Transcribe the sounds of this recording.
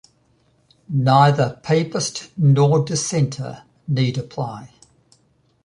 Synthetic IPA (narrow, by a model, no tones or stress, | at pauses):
naɪðəpʰeɪpəstnɔːdɪsɛ̃ntʰə̰ | niːdəpʰl̥aɪ